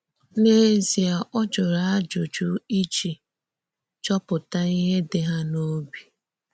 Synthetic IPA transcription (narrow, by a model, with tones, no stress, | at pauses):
ne˦zi˨a˨ʔɔ˦d͡ʒɔ˨ɾa˨a˦d͡ʒʊ˨d͡ʒu˦i˦t͡ʃi˨ | t͡ʃɔ˦pʊ˨ta˦i˦ɦe˦dɪ˨ɦa˦no˦bi˨